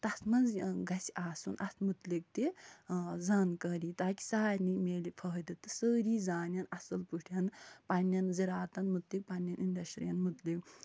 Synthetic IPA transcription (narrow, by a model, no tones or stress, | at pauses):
t̪ɐsmɐnzɡɐsiaːsunʔɐst̪mut̪lik̚t̪i | zaːnkɐɾiːt̪aːki̥saːɾʲnimeːlipʰɐɦd̪it̪ɨsəːɾiːzaːnʲjɐnɐsɐlpuʈʰjɐnpɐnːɐnziɾaːt̪ɐnmut̪lik̚pɐnjɐnʔinɖɐsʈɾḭjɐnmut̪lik